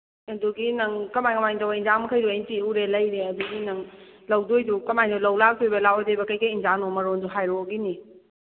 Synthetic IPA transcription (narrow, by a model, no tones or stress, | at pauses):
eduɡinɐŋkɐmajkɐmajntawainzaŋmɐkʰəjdejntiuɾelɐjɾeɐduɡinɐŋlɐwdojdukɐmajndɔlɐwlak̚dojbɐlawɔjdojbɐkɐjkajinzanɔmɐɾonduɦajɾoɡini